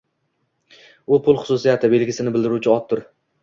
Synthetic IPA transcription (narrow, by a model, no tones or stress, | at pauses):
ʊpʰʊlˠχʊ̥sʊsijat̪ʰɪbe̞lɡʲɪsɪnɪbɪld̪ɪɾut͡ʃʰɪɒt̪ʰːʊɾ